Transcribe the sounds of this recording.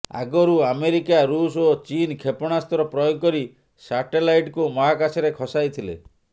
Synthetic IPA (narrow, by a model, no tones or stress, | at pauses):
a̰ɡɔɾuameɾikaɾusot͡ʃinkʰepɔɽ̃ast̪ɔɾɔpɾɔjoɡkɔɾi | saʈelajʈkumɔɦakasiɾekʰɔsajt̪ʰilḛ